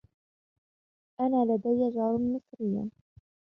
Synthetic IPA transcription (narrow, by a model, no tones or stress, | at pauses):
ʔanaːlad̪ajːad͡ʒɾˤnmɪsˤɾɪjːa̰